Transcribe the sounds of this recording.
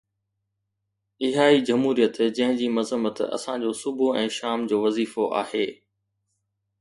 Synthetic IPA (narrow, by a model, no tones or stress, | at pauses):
ɪɦaːid͡ʑɐmɦuːɾijət̪d͡ʑɐ̃ɦɪ̃d͡ʑiːmɐzəmət̪ɐ̰sãd͡ʑoːsʊbʱuɛ̃ːʃaːmd͡ʑoːʋɐziːfoʔa̰ːheː